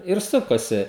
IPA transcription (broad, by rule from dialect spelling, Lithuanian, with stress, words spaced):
ɪr ˈsʊkɐsʲɪ